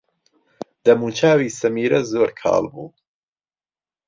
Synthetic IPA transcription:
d̪ɐmuːt͡ʃʰaːwiːsɐmiːɾɐzoːɾkʰɑ̰ːlbṵː

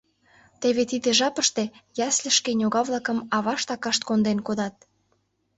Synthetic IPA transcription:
t̪eβet̪id̪ĕʒɑpəʃt̪e̽jɑslə̆ʃkenʲoɣɑβlɑkə̆mɑβɑʃt̪ɑkɑʃt̪̚kond̪enkod̪ɑt̪̚

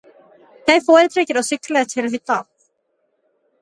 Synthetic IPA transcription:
θejfɔːɾɪt̪ɾɛːcɪɾawsʏklaɪt̪ʰɪlθit̪aːt

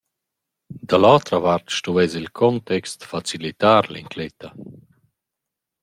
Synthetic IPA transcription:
d̪alawt̪ɾavaɾt̪ʃtuɛzilkʰɔnt̪ɛkst̪fat͡silit̪aːɾliŋkʰlɛt̪a

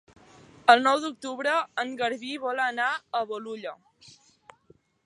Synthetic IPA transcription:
əlˠnɔwd̪uk̚t̪uβɾəəŋɡəɾβiβɔlənaəβoluʎə

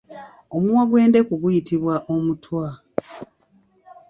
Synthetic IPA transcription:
omuwaɡwe̞ːnde̞kuɡujitiβwaʔo̞mutʰwa

